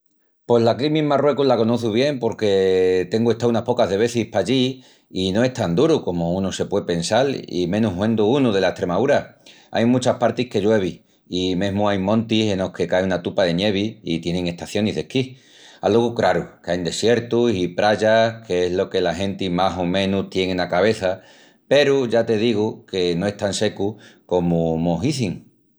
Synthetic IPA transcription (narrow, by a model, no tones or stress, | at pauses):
pwe̞zlakɾimĩmarwe̞kulako̞noθuβ̞je̞mpo̞ɾke̞t̪e̞ŋɡue̞ht̪aunahpo̞kaðe̞β̞e̞θihpaʎiː | no̞e̞ht̪and̪uɾuko̞mounuse̞pwe̞pe̞nsalḭmẽ̞nuɦwẽ̞nd̪uunuðe̞lae̞ht̪ɾe̞maðuɾa | a̰jmut͡ʃahpaɾt̪ihke̞ʝwe̞β̞i | imẽ̞ɦmuajmõ̞nt̪ise̞no̞hke̞kaeunat̪upaðe̞nje̞β̞iit̪je̞neŋe̞ht̪aθjo̞niɦðe̞ki | a̰loɣukɾaɾukajnd̪e̞sje̞ɾt̪usipɾaʝakʰe̞ezlo̞ke̞laɦẽ̞nt̪imaɦomẽ̞nuht̪je̞ŋenakaβ̞e̞θa | pe̞ɾuʝat̪e̞ðiɣ̞uke̞no̞e̞ht̪anse̞kuko̞mumo̞ɦiθiŋ